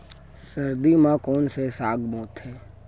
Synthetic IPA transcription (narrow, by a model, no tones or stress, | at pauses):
səɾd̪imãkɔːnsesaːɡmoːt̪ɦɛː